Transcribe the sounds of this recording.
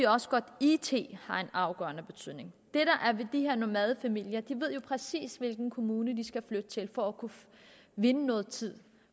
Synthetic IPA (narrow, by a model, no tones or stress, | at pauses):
ɒ̽səɡ̥ɒ̽d̥it͡sʰe̝̰ːhɑ̈e̝nɑ̈ʊɡ̥ɶ̰ɐnəb̥e̝t͡sʰyð̰ˠne̝ŋd̥eɾ̥ɑʔæɐʋe̝d̥iheɐ̰nomæð̞ˠəfæmil̰jɐd̥iʋe̝ð̞̰ˠjo̝pʰʁɛsḭːsʋe̝lɡ̥n̩kʰo̝muːnəd̥isɡ̥æflød̥ət͡sʰe̝lfɒ̽ækʰu | ʋe̝nənɔ̽ːð̞̩ˠt͡sʰið̰ˠ